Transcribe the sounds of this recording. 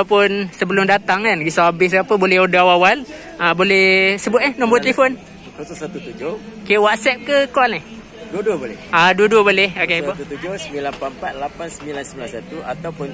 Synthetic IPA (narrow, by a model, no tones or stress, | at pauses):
pʊnsəbəlʊmdat̪aŋkanɡisaabɪs̬ɡapəbolɛhodaawawal | əbolɛhsəbʊt̪̚nahnɔmbɔrt̪əlefɔn | kasusat̪ut̪ud͡ʒohokewat̪sɛp̚kəkɔlnɪh | duəduəbolɛ̰aduəduəbolɛhokepot̪ut̪ud͡ʒosəmilanpampat̪̚lapansəmilansəmbilansat̪uat̪awpʊn